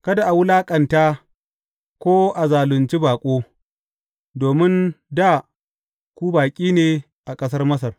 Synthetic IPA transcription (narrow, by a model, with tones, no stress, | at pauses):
kɐ˦da˨ʔa˨wʊ˦laː˦kʼɐ˨ntaː˦ | kʷoː˦ʔa˨zaː˨lʊ˨nt͡ʃi˦baː˨kʷʼoː˦ | doː˨mɪ˦nda˦˨ | kʷuː˦baː˨kʲʼiː˦neː˨ | ʔa˨kʼɐ˦s̬ɐ˦rmɐ˦s̬ɐ˨r